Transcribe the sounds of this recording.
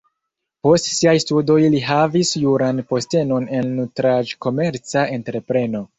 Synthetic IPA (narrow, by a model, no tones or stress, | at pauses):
po̞stsiajstudo̞jliɦavisjuɾanpo̞ste̞no̞ne̞nːutɾad͡ʒko̞me̞ɾt͡saʔe̞ntɾe̞pɾe̞no̞